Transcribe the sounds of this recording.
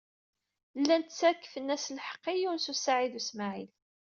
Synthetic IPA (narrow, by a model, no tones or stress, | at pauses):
lːænt̪t͡sːækːə̥fənːæslħə̥qːijunsusaʕiðusmaʕil